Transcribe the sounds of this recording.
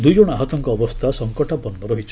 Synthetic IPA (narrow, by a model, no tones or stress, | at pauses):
d̪ujd͡ʒɔɽ̃ɔaɦɔt̪ɔŋkɔːbɔst̪ʰasɔŋkɔʈapɔnːɔɾɔɦit͡ʃʰ